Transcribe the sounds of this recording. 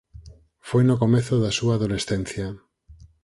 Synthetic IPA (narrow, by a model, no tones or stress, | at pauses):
fojnokomeθoðasuaːðolesθen̟θja